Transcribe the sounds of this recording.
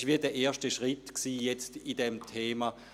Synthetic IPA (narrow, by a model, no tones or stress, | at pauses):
ʃʋiːɐdɛɐʔeːɐʃtəʃʁɪtksiːjɛt͡stidɛmtʰeːma